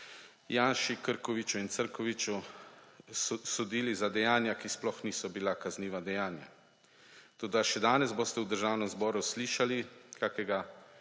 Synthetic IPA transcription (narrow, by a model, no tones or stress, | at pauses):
jaːnʃikəɾkɔʋit͡ʃuint̪səɾkɔʋit͡ʃu | ssɔd̪iːlizad̪ɛjaːnjakisplɔxniːsɔbilakazniːʋad̪ɛjaːnja̰ | t̪oːd̪aʃɛd̪aːnɛzbost̪ɛwd̪əɾʒaːwnɛmzbɔːɾusliːʃalikakɛɡa